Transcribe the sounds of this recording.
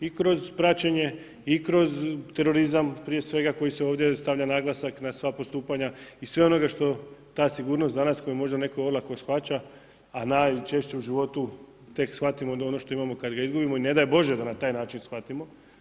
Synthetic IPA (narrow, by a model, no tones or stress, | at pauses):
ikɾo̞zpɾat͡ɕeɲe̞ | ikɾo̞zt̪e̞ɾo̞ɾizampɾije̞sʋe̞ɡako̞jiseo̞ːʋd̪jest̪aʋʎʲanaɡlˠasaknasʋapo̞st̪uːpaɲaisʋe̞o̞no̞ɡaʃt̪o̞t̪aːsiɡuːɾnost̪d̪anasko̞jumo̞ʒd̪ane̞ko̞oɾlˠakosxʋat͡ɕaː | naːjt͡ʃe̞ʃt͡ɕeuʒiʋo̞t̪u | t̪e̞ksxʋat̪imo̞d̪ao̞noʃt̪o̞imamo̞kad̪ɡaizɡubimo̞ine̞d̪ajebo̞ʒed̪anat̪aːjnaːt͡ʃinsxʋat̪imo̞